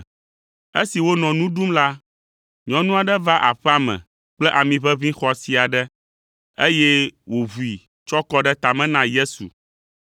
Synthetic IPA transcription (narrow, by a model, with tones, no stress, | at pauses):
e˦si˨wo˦nɔ̃˨nũ˦ɖu˦mla˦ | ɲɔ̃˦nũ˦a˨ɖɛ˦va˦ʔa˨ɸɛ˦a˦mɛ̰̃˨ | k͡plɛ˦ʔa˨mĩ˨ɸɛ˦vĩ˦xɔ˨˦si˨a˨ɖɛ˦ | e˦jɛ˦wo˨vu˨i˨ | t͡ʃɔ˦kɔ˦ɖɛ˦t̪a˨mɛ̃˦nã˦je˦sṵ˨